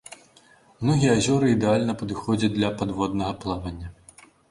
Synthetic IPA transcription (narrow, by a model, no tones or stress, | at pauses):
mnɔɣʲijɛazʲɔɾɨid̪ɛalʲnɐpɐd̪ɨxɔd͡zʲɐt͡sʲd̪lʲɐpad̪vɔd̪nɐɣɐplˠavɐnʲːɐ